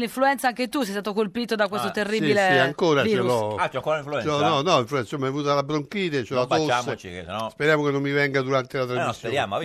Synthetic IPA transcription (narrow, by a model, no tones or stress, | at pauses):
liɱfluɛnt̪saaŋket̪usɛjst̪aːt̪okolpiːt̪od̪ak̬wesst̪ot̪erːisiilesiaŋkoːɾat͡ʃelɔaɔŋkoɾaĩɱfluɛt͡ʃɔnɔnɔiɱfluɛnsomːavuːt̪̬alabɾoŋkiːðet͡ʃelatosaat͡ʃiɔspeɾjaːmokenːomːivɛŋɡad̪uɾant̪elat̪ɾazmisːjeoɾjam